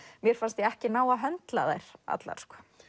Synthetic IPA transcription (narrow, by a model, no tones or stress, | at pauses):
mjɛɾ̥fanst̪jɛɛhcɪnaːwaɦœnt̪la̰ða̰jɾ̥a̰t̪la̰ɾ̥skɔ